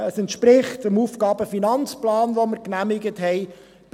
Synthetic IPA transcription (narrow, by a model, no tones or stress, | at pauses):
əsɛntʃpɾɪχtəmufɡɑːb̥əfinɑnt͡splɑːnʋoməɾknæmɪɡətɦɛɪ | b̥